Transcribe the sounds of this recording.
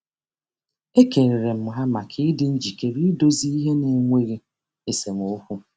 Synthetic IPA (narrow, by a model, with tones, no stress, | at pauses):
e˦ke˨ɾe˨ɾe˨m̩˦˨mʊ˨ɦa˦ma˨kʰɪ˦dɪ˦n̩˦d͡ʒi˨ke˦ɾi˦do˦zi˦i˦ɦe˦ne˨ŋʷe˦ɾi˦ | e˨se˨ŋʷo˦kʷu˦